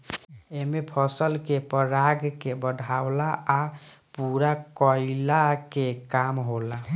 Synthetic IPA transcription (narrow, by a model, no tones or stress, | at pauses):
emepʰəsəlkepəɾaɡkebəd̪ʱaʊlaʔː | puɾakəɪlakekamɦola